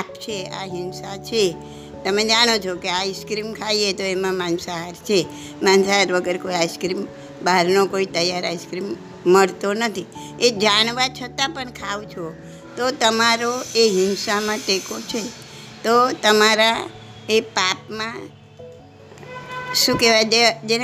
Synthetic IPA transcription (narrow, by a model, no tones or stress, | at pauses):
papt͡ʃʰea̰ɦɪnsat͡ʃʰe | t̪əmed͡ʒaɽ̃ot͡ʃʰokeaiskɾimkʰaiet̪oemãmãnsaɦaɾt͡ʃʰe | mãnsaɦaɾʋəɡəɾkoiaiskɾim | baɾnokoit̪əjːaɾaiskɾimː | əɭt̪onət̪ʰi | ed͡ʒaɽ̃ʋat͡ʃʰət̪apəɳkʰaʋt͡ʃʰo | t̪ot̪əmaɾoeɦɪnsamãʈekot͡ʃʰe | t̪ot̪əmaɾa | epapmã | ʃũkeʋad͡ʒed͡ʒe